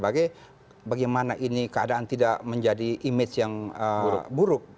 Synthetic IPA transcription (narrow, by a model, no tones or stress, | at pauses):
baɡaj | baɡajmanaʔinikəadaʔant̪idaʔməɲd͡ʒadiʔːmɪt͡ʃjaŋəbuɾʊk̚